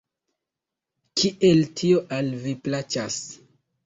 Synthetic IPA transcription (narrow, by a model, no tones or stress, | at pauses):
kʰiʔeltʰio̞ʔalviplat͡ʃas